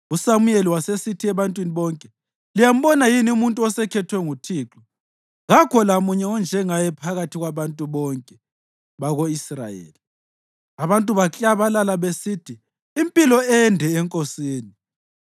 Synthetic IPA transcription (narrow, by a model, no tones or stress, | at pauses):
usamujeliwasesitʰiɛβantʼwiniβɔŋkʼɛ | lijam̩bɔnajiniumuntʼuɔsɛkʰɛtʰwɛŋutʰiːǁɔ | ɣakʰɔlamuɲɛɔnd͡ʒʱɛŋajɛpʰaɣatʰiɣwaβantʼuβɔŋkʼɛ | βaɣoisra̰jḛːli | aβantʼuβat͡ɬʼaβalalaβesitʰiː | mpʼilɔɛndʱɛːŋkʼosiːni